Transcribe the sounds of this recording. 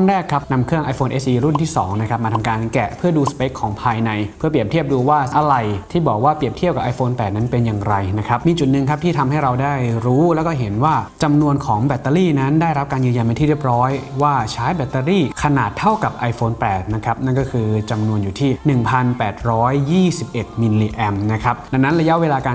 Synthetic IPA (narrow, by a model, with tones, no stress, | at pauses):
a˥˩ɾɛː˥˩kʰːa˦˥p̚na˧mkʰɯ˥˩əŋʔa˧jfoː˧nʔe˦˥sʔiː˧ɾu˥˩nt̪ʰiː˥˩sɔ̰ː˩˦ŋna˦˥kʰɾa˦˥p̚maː˧t̪ʰa˧mkaː˧nkɛ˨˩pʰɯ˥˩əduː˧spe˦˥kʰːɔː˩˦ŋpʰaː˧jna˧jpʰɯ˥˩pli˨˩əp̪̚ʰi˥˩əp̚duː˧waː˥˩ʔa˧ɾa˧˩jt̪ʰiː˥˩bɔː˨˩k̚waː˥˩pi˨˩əp̚t̪ʰi˥˩pka˨˩pʔa˧jfoː˧npɛː˨˩t̪̚na˦˥npe˧njaː˨˩ŋɾa˧jna˦˥kʰa˦˥p̚miː˧t͡ɕu˨˩t̪̚nɯ˨ŋkʰa˦p̚t̪ʰiː˥˩t̪ʰa˧mha˥˩jɾa˧wdaː˥˩jɾuː˦˥lɛː˦˥wkɔː˥˩ɦe˩˦nwaː˥˩t͡ɕa˧mnu˧ənkʰɔː˩˦ŋbɛ˨˩t̪ːa˧liː˥˩na˦˥ndaː˥˩jɾa˦˥p̚kaː˧njɯ˧ja˧npa˧nt̪ʰiː˥˩ɾi˥˩əp̚ɾɔː˦˥jwaː˥˩t͡ɕʰaː˦˥jbɛ˨˩t̪ːa˧liː˥˩kʰa˧naː˨˩t̪ʰːa˥˩wka˨˩p̚ʔa˧jfoː˧npɛː˨˩t̪̚na˦˥kʰɾa˦˥p̚na˥nkɔː˥˩kʰɯː˧t͡ɕa˧mnu˧ənjuː˨˩t̪ʰiː˥˩nɯ˨˩ŋpʰa˧npɛː˨˩t̪̚ɾɔː˦˥jːiː˥˩si˨˩p̚ʔe˨˩t̪̚mi˧liː˧ʔɛ˧mna˦˥kʰɾa˦˥p̚da˧ŋnːa˦˥nɾa˧ja˦˥ʔweː˧laː˧ka˧